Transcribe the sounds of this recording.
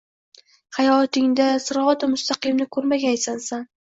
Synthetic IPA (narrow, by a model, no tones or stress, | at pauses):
hajɒt̪ɪŋd̪asɪɾɒat̪ɪmʊst̪aqɨmnɪkʰɵɾmaɡʲajsansan